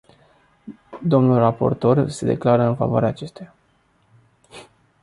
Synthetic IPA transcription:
d̪o̞mnulrapo̞̰rt̪o̞rse̞d̪e̞̰klaɾəɨnfa̰voa̰ɾeaːt͡ʃe̞st̪eja

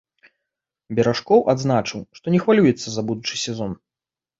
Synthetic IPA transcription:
bʲɛɾaʂkɔwʔad̪znat͡ʂɨwʂt̪ɔnʲɛxvalʲujɛt̪sːɐzɐbud̪ut͡ʂɨsʲɛzɔn

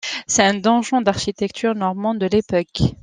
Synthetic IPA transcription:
sɛt̪ɛ̃d̪ɑ̃ʒɑ̃d̪aʁʃit̪ɛkt̪ʰyʁnɔʁmɑ̃d̪d̪əlepɔk

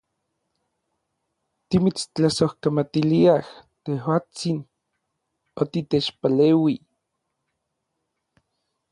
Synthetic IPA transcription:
t̪imit͡st͡ɬasohkamat̪iliaht̪ehwaːt͡sin | ot̪it̪et͡ʃpaleːwi

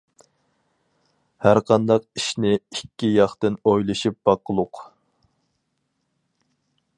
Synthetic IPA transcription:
hæɾqʰɑnd̪ɑq̚iʃnɪikʲːijɑχt̪ɨnojlˠɨʃip̚b̥ɑqəlˠʊq

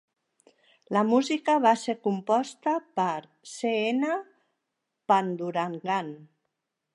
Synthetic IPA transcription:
ləmuzikəβaseɾkumpɔst̪əpəɾ | seenə | pand̪uɾaŋɡan

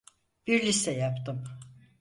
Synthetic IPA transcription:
b̥iɾlʲist̪ɛjapt̪ʰɯm

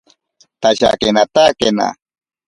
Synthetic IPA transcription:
t̪aɕa̰kenat̪akena̰

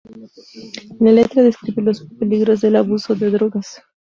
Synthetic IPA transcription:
lalet̪ɾaðeskɾiβelo̞speliɣɾo̞zðe̞laβusoðeðɾoɣas

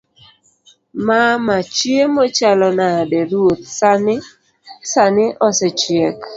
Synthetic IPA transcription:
mamat͡ʃjemɔt͡ʃalɔnadɛɾwot̪̚sanɪ | sanɪʔɔsɛt͡ʃjɛk

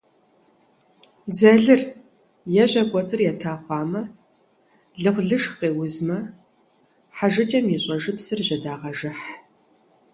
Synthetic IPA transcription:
d͡zɐɮɨr | jɛʑɐkʷʼɔt͡sʼɨrjɛtʰaːχʷɑːmɐ | ɮɨqʷɮɨʂqeːwʊzmɐ | ħaʒɨt͡ʃʼɐmjiɕʼɐʒɨpsɨrʑɐdaːʁɐʒɨħ

